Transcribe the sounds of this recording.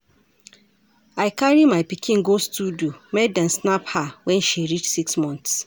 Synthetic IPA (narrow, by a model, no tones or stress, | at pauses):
aɪkaɹimaɪpikʰĩnɡostudiomɛdãnsnaphawɛ̃nʃiɾit͡ʃsiksmɔ̃nθs